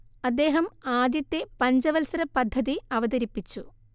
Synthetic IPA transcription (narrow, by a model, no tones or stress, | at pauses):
ɐd̪ːe̞ːɦɐmaːd̪jɐt̪ːepɐɲd͡ʑɐʋɐlsɐɾɐpːɐd̪ʱːɐðiɐʋɐd̪ɐɾipːit͡ɕːu